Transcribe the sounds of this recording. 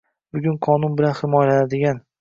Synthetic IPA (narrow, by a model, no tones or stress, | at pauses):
bʊɡʲʊnqʰɒnʊnbɪlanhɪmɒjlanad̪ɪɡʲan